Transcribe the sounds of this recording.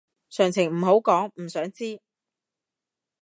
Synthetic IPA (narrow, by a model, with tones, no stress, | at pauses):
sœː˨˩ŋt͡sʰɪ˨˩ŋm̩˨˩ɦo˨˥wkɔː˨˥ŋm̩˨˩sœː˨˥ŋt͡siː˥